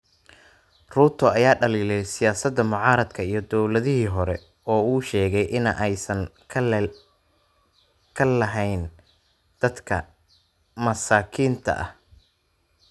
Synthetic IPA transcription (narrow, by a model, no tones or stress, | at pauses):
ruːt̪ʰɔɐjaːɖɐliːlɛjsɪjaːsɐd̪ɐmʊʕɑːɾɐd̪kʰɐijɞd̪ɔwlɐðɪɦiːɦɔɾɛ | ɔːuːʃɛːɣɛjʔɪnʔɛjsɐnʰ | kʰɐlɐɦɛjn | d̪̥ɐd̪kʰɐ̰ | mɐsaːkʰiːnt̪ʰɐ̰ʔɐ̰h